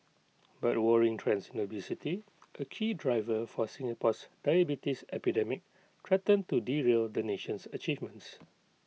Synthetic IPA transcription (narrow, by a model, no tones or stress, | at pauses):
bat̚wɔɹĩŋtʰɹɛ̃nsnobisiti | ʔəkʰidɹajvəfɔsĩŋapɔsdajəbitisɛpidɛmɪk̚ | tʰɹɛtə̃ntudiɹeldəneʃə̃nsət͡ʃivmə̃ns